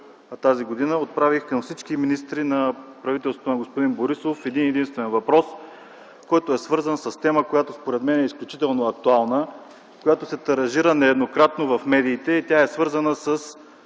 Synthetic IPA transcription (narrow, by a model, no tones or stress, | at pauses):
t̪aziɡod̪inəot̪̚pɾavixkɐmfsit͡ʃkiminist̪ɾinɐpɾɐvit̪ɛlst̪ot̪nɐɡospod̪inboɾisofɛd̪inɛd̪inst̪vɛnvɐpɾɔs | kɔjt̪oɛsvɤɾzənsəst̪ɛməkojat̪ospoɾɛt̪mɛnɛisklʲut͡ʃit̪ɛlˠnoɐk̚t̪ualˠnə | kojat̪osɛt̪ɐɾɐʒiɾənɛɛd̪nokɾat̪novɐfmɛd̪iːt̪ɛit̪ʲaɛsvɤɾzənəsəs